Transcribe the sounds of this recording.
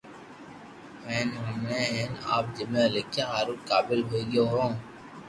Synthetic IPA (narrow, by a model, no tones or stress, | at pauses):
ɛ̃ːnɦʊmeɦɛːna̰ːp̚d͡ʒɪmẽəlekʰːeɦaːɾukaːbɪlɦoiɡijoɦõː